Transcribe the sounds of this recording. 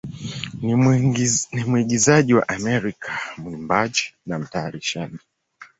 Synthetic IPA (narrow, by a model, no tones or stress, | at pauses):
nimwiɡizaʄiwa̰ʔamɛɾikʰamuimbad͡ʒi̥nam̩taːɾiʃaɗi